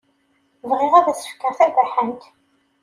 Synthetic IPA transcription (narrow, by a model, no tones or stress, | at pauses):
vʁiʁæðæsə̥fkːəʁθæɡæħənt̪